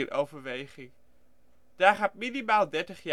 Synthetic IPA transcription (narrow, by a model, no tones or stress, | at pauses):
rʔowvəɹʋejχɪŋ | d̥aːɹχaːt̚minimaːlˠdɛɹtəχja